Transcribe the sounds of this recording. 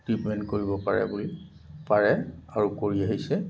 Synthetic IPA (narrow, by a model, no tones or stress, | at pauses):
tɹitmɛntkoɹibɔpaɹɛ̰buli | paɹɛaɹukoɹiaɦisɛ